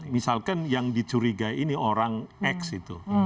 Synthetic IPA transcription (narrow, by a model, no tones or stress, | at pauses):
misalkanjaŋdi̥t͡ʃuɾiɡainioɾaŋɛksit̪u